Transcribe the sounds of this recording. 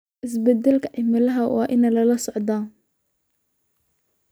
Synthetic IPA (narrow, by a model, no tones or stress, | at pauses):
ʔɪs̬bɐd̪ɐlkʰɐʔɪmɐlɐɦɐwɑ̰ːʔɪnɐlɐlɐsɔʕd̪aːn